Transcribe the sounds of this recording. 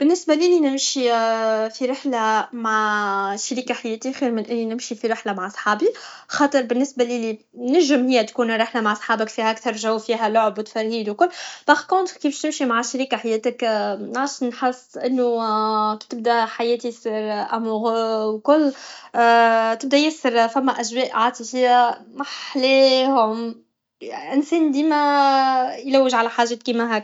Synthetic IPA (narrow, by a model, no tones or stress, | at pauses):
b̥ɪnːɪsbaliːlinɪmʃifiɾɪħlamaʕʃaɾiːkaħajɛːt̪ixiːɾmɪnʔɪnːinɪmʃifiɾɪħlamaʕsˤħɑːbi | xɑːt̪ˤɨɾbɪnːɪsbalili | næʒɪmhɪjːæt̪kuːnɾˤɪħlamaʕsˤħɑːbɪkfiːhæʔækt̪ɑɾˤʒæwːfiːɦælʊʕbwt̪fæɾːiːd̪wkʊlːbɑxkont̪kibʃnɪmʃimaʕʃaɾiːkaħajɛːt̪ɪknʕaʃnħesːʔɪnːuki̥t̪ɪb̚d̪æħajɛːt̪isiɾʔæmuɣwkʊlː | t̪ɪb̚d̪æjæsːɪɾfæmːæʔæʃwɛːʔʕaːt̪ihɪjːæmaħlɛːhʊm | ʔɪnsɛːnd̪iːmæ | jlæwːɪʒʕalæħaːʒɛːt̪̚kiːmæɦæ